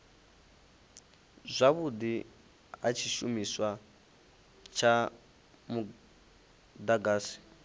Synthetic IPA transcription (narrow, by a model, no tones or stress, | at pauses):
zʷaβud̪i | ɦat͡ʃʰiʃumiswa | t͡ʃʰa | mu | d̪aɡaːsi̥